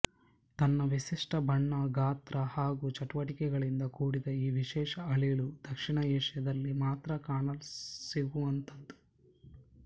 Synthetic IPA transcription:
t̪ɐnːɐʋiʃiʂʈɐbʱɐɳːɐɡaːt̪ɾɐhaːɡuːt͡ʃɐʈuʋɐʈikɛɡɐɭind̪ɐkuːɽid̪ɐiːʋiʃɛːʃɐɐɭiɭud̪̥ɐkʂiɳɐɛːʂjɐd̪ɐlːimaːt̪ɾɐkaːɳɐlsiɡuɐnt̪ɐd̪u̥

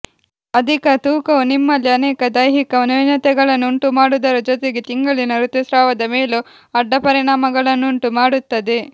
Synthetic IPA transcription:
ɐd̪ʱikɐt̪uːkɐunimːɐlːiɐnɛːkɐd̪ɐjɦikɐɐnunɐt̪ɛɡɐɭɐnːuɳʈumaːɽud̪ɐɾɐd͡ʒot̪eɡet̪iŋɡɐɭinɐɾut̪usɾaːʋɐd̪ɐmeːlu | ɐɖːɐpɐɾiɳaːmɐɡɐɭɐnːuɳʈumaːɽut̪ːɐd̪e

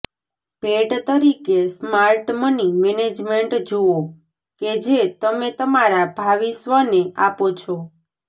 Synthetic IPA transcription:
bʱeʈt̪əɾikesmaɾʈmənimɛned͡ʒmeɳʈd͡ʒoo | ked͡ʒet̪əmet̪əmaɾabʱaʋisʋəneapot͡ʃʰɔ

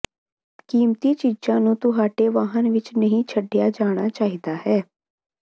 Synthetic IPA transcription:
kiːmt̪iːt͡ʃiːd͡ʒãːnũːt̪ʊɦaːʈeːʋaːɦənʋɪt͡ʃnəɦĩːt͡ʃʰəɖːɪjaːd͡ʒaːɽ̃aːt͡ʃaːɦiːd̪aːhɛː

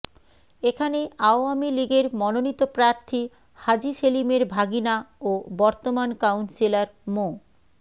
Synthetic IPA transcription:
ekʰaneaoamiliɡeɾmɔnonit̪ːopɾaɾt̪ʰi | had͡ʑiʃelimeɾbʱaɡinaobɔɾt̪omankawnsilaɾmo

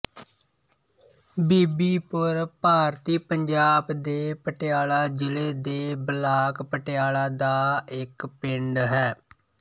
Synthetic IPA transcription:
biːbiːpəɾpaːɾt̪iːpəɲd͡ʒaːbd̪eːpəʈɪaːlaːd͡ʒɪleːd̪eːbəlaːkpəʈɪaːlaːd̪aːɪkpɪɳɖɦɛː

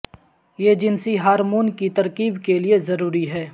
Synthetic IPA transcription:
jeːd͡ʒɪnsiɦaːɾmuːnkit̪ɐɾkiːbkeliezɐɾuːɾiɦɛː

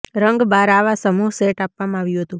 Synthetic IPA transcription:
ɾəŋɡbaɾaʋasəmuɦseʈapʋamãaʋjũɦət̪ũ

